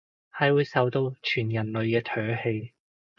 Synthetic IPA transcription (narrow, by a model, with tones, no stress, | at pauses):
hɐ˨˧jwuː˨˧jsɐ˨˥wt̪o˧wt͡ʃʰyː˨˩njɐ˨˩nlɵ˨˧ɥkɛː˧t̪ʰœː˨˥he˧j